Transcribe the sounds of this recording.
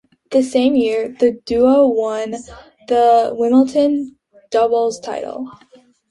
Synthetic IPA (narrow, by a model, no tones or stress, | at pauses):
ðɨsẽɪ̃mjɪɹðɨdʉəwʌ̃n | ðəwɪ̃ml̩ˠtʰɨ̃n | d̥ʌbl̩ˠz̥tʰaɪɾl̩ˠ